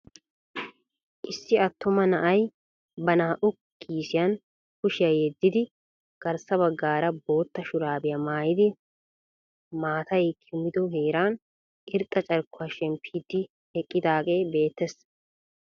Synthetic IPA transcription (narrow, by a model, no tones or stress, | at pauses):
ʔɪsːɪɐt̪ːʊmɐnɐʔɐj | bɐnaːʔʊkːiːsɪjɐn | kʊʃɪjɐjɛd̪ːɪd̪ɪ | ɡ̥ɐɾsɐβɐɡːaːɾɐbo̞ːt̪ːɐʃʊɾaːbɪjɐmaːjɪd̪ɪ | maːt̪ɐjkʰɪmːɪd̪ɔheːɾaːn | ɪɾt̪ʼːɐt͡ʃʼɐɾkːʊɐʃɛmpʰːiːd̪ːɪ | hɛkʼːɪd̪aːkʼe̞ːbe̞ːt̪ːɛs